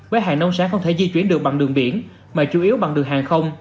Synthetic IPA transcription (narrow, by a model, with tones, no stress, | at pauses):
vəː˨˦jɦaː˨˩ŋnə˧wŋ͡msaː˧˦˥xə˧wŋ͡mt̪ʰe˧˩zi˧t͡ɕwi˨˧˥ənɗɨ˨˩ək̚ɓa˨˩ŋɗɨ˨˩əŋɓi˧˩ən | maː˨˩t͡ɕu˧˦ʔi˨˦əwɓa˨˩ŋɗɨ˨˩əŋɦaː˨˩ŋxə˧wŋ͡m